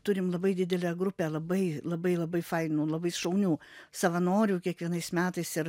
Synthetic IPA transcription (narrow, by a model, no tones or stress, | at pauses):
t̪ʊɾʲɪmlˠɐbɐɪd̪ʲɪd̪ʲɛlʲɛːɡɾʊpʲeːlˠɐbɐɪlˠɐbɐɪlˠɐbɐɪfɐɪnuːlˠɐbɐɪʃɐʊnʲuːsɐʋɐnoːɾʲuːkʲiɛkʋʲiɛnɐɪsmʲæːt̪ɐɪsɪɾ